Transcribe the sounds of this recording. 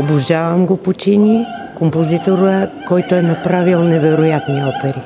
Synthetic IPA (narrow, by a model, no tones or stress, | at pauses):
oboʒavəmɡopot͡ʃinikompozit̪oɾəkɔjt̪oɛnɐpɾavilˠnɛvɛɾojat̪niɔpɛɾi